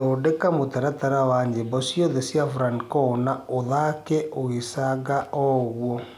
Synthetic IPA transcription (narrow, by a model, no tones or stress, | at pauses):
oːdekamotaɾataɾawaɲebɔsjoðesjafuɾankɔnaoðakɛʔoisaɡaʔɔɣwɔ